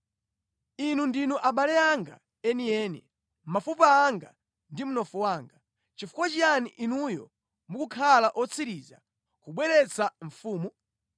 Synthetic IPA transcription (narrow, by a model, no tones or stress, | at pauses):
inundinuʔaɓalɛaŋɡa̰ | ɛniɛːnḭ | mafupaːŋɡa̰ | ndim̩nɔfuwaːŋɡa | t͡ʃifu̥kwat͡ʃianiʔinujɔ̰ | mukukʰalaʔɔt͡sʰiɾiːza̰ | kuɓwɛɾɛt͡sʰaɱ̩fuːmu